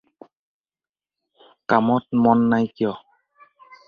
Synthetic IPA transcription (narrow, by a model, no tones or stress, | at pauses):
kamɔt̚mɔnːajkiɔ